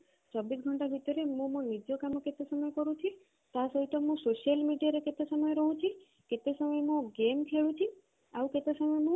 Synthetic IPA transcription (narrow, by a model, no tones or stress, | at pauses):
t͡ʃɔbisɡʱɔɳʈabʱit̪ɔɾemũmõnid͡ʒjɔkamoket̪esɔməjekɔɾũt͡ʃʰi | t̪asɔɦit̪ɔmũsoʃijəlmiɖijaɾeket̪esəməjeɾɔɦũt͡ʃʰi | ket̪esəməjemõɡemkʰeɭũt͡ʃʰi | aũket̪esəməjemũ